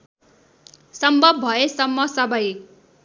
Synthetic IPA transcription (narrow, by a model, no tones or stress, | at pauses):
sʌmbʱʌb̚bʱʌesʌmːʌsʌbʌj